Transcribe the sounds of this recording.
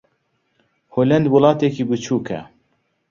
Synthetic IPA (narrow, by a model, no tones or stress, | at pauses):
hoːlɛnd̪wɨlˠɑːt̪ekiːbɨt͡ʃʰuːkʰɛ̰